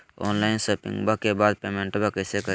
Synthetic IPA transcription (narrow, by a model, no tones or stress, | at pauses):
o̰ːnlaːɪnsopɪ̰̃ŋɡbakːebaːd̪̚peːmẽɳʈbekəɪsekə